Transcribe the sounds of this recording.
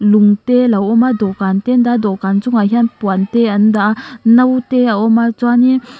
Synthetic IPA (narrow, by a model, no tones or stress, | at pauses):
luŋtelawɔmadɔkantendad̪ɔkant͡suŋaɦianpuanteandanawteaʔɔmat͡swani